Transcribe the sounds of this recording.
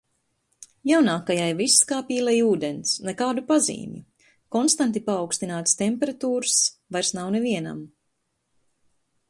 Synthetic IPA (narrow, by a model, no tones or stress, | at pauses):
jawnaːkajajvisːkaːpiːlˠɛjuːd̪ensnekaːd̪upazḭːmʲjṵ | kɔnst̪ant̪ipaːwkst̪inaːt̪st̪empɛɾat̪uːɾsvajɾsnawneviɛna̰m